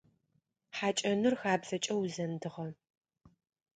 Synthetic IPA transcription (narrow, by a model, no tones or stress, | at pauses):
ħaːt͡ʃʼɐnɨrxaːbzɐt͡ʃʼɐwzɐndɨʁɐ